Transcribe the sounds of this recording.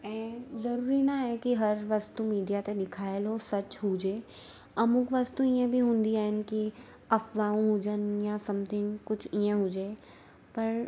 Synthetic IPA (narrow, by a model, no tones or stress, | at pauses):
ɛ̃ːzɐɾuːɾinaɦɛkiɦɐɾʋɐst̪ũmiːɖijat̪eɗ̪ɪkʰaːɪlɦosɐt͡ʃɦuːd͡ʒeː | ɐmʊkʋast̪ũiə̃bʱiɦũːnd̪iaːɦɪn̆ki | ɐfʋaːũɦʊd͡ʒənjãsɐmd̪ɪŋkʊt͡ʃʰiə̃ɦʊd͡ʒeː | pɐɾ